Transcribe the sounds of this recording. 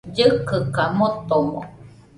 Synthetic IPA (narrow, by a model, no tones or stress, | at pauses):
d͡ʒɯkɯkamot̪omo̰